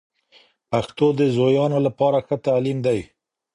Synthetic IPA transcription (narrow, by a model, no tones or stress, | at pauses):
paxt̪od̪əzojɑnolapɑɾaxət̪alimd̪aj